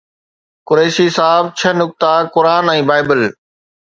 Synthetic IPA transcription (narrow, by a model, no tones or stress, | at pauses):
kʊɾeːʃiːsaːb̚t͡ɕʰɐnʊk̚t̪akʊɾaːnɛ̃ːbaːɪbəl